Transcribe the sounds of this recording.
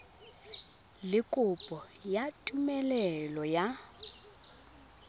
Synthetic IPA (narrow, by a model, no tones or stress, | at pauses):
lɪkʼʊpʼɔjatʼumɛlɛlɔja